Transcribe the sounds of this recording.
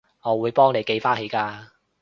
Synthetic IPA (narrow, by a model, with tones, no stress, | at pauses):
ŋɔː˨˧wuː˨˧jpɔː˥ŋle˨jke˧jfaː˥nhe˨˧˥jkaː˧